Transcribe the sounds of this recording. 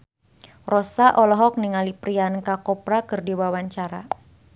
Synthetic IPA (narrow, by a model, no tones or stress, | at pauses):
rɔsaʔɔlɔɦɔk̚niŋalipɾiankakɔpɾakɨrdiwawaɲt͡ʃaɾa̰